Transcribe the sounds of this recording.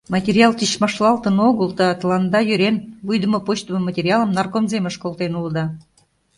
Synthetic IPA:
mɑtʲerʲjɑlˠt̪iɕmɑʃlɑlˠt̪ənoɣəld̪ɑt̪əlɑnd̪ɑjøɾenβujd̪əmə̆pot͡ɕt̪əmə̆mətʲerʲjɑləmnɑrkomzeməʃkolˠt̪enuləd̪ɑ

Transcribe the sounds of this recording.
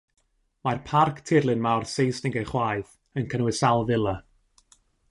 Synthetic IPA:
marpʰarkʰtʰɪrlˠɨnmawrsejsnɪŋɡeχwaːjð | ənkʰənwɪsalˠvɪlˠa

